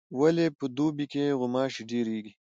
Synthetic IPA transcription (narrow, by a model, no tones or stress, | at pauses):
wɐlepəd̪uːbikeɣʊmaːʃiɖiːɾiːɡi